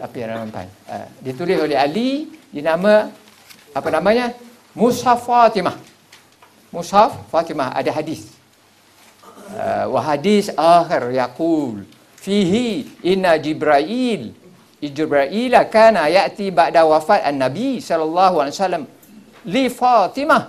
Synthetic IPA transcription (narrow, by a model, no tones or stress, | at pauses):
t̪apianamamt̪a̰nə̰dit̪ulɪsolɛɦalidinamã | apanamãɲə | mũsafat̪imah | musafːat̪imaha̰daɦadis | ə̰waɦadisʔaxɪrjaqul | fiɦiʔɪnːad͡ʒibɾaʔil | id͡ʒbɾaʔilakanajaʔt̪ibaʔdawafat̪anːabisɔlalˤːaɦualisalːam | lifat̪imah